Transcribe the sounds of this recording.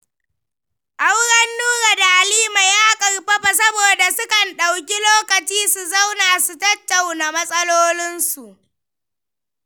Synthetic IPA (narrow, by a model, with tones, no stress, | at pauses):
ʔa˦wɽɐ˦nːuː˦ɾa˨da˨ʔa˨liː˦ma˨jaː˦kʼɐ˨ɽɸɐ˦ɸa˨s̬ɐ˦boː˨da˨sʊ˦kɐ˨nɗa˨wkʲi˦loː˦kɐ˨t͡ʃiː˦su˨za˦wnaː˨su˨tɐ˦tːa˨wna˨mɐ˦sʼɐ˦loː˦lɪ˦nsu˨ʔ